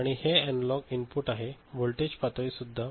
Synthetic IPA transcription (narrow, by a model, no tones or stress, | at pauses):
aɽ̃iheɛnlɔkinpuʈaɦeʋolʈed͡ʑpat̪ʋisud̪ʱːa